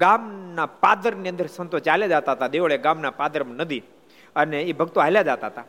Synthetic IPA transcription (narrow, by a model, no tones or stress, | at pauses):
ɡamnapad̪əɾmniənd̪əɾsənt̪ot͡ʃaljad͡zat̪aɦt̪ad̪eʋɭeɡamnapad̪əɾmnəd̪iː | əneibʱəɡt̪oaɦljad͡ʒat̪at̪a